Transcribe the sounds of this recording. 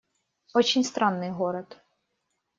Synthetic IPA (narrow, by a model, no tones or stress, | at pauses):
ɔt͡ʃʲinʲst̪ɾɑnːɪjɦɔɾɔd̪